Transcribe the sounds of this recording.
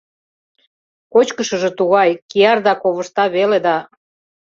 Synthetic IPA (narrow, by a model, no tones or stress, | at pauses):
kot͡ɕkəʃəʒĕt̪uɣɑjkijɑrd̪ɑkoβəʃt̪ɑβeled̪ɑ